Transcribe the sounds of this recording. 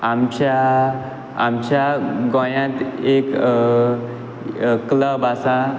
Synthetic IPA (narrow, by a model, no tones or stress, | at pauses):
amt͡ɕaː | mt͡ɕaɡɔ̃jãt̪ek | kləbasa